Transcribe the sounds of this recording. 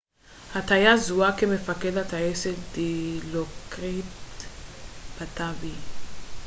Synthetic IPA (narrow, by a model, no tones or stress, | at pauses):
hat̪ajazuakemefakedat̪aeseld̪ilokʁit | b̥at̪avi